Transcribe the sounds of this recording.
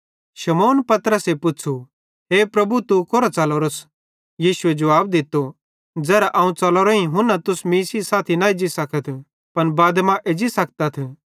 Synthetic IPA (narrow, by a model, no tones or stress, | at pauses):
ʃɐmoːnpɐt̪ɾəsepʊt͡ʃʰu | ɦeːpɾɐbut̪ukoɾat͡sɐloːɾəs | jiːsʊed͡ʒɐʋaːbd̪ɪt̪ːo | d͡zɛːɾaʔɐːũt͡sɐloɾoɦĩɦʊ̃nːat̪ʊsmiːsisaːt̪ʰinaid͡ʒisɐkʰət̪ʰ | pɐnbaːd̪mãʔed͡ʒisɐk̚ʰt̪at̪ʰ